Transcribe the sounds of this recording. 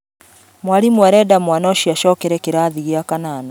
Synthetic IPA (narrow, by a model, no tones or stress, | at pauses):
mwalimuaɾɛdamwanɔʃiaʃɔkɛɾɛkeɾaːðiɣiakanaːna